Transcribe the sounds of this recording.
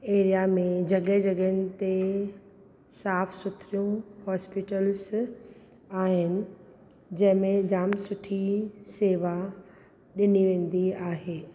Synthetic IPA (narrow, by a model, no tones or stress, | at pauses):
eːɾijamẽd͡ʑɐɠəɦd͡ʑɐɠəɦənɪ̆t̪e | saːfsʊt̪ʰɾijũhɔːspɪʈəlz | aːɦɪnɪ̆ | d͡ʑɐ̃ɦɪ̃mẽd͡ʑaːmsʊʈʰiseːʋa | ɗɪniʋẽːn̆d̪iaːɦeː